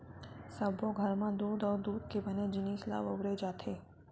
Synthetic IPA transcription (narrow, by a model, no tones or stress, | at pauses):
səbʱoɡʱəɾmãd̪uːd̪ə̃d̪ud̪̚kebəned͡ʒinisla̰ʋəʋɾed͡ʒat̪ʰe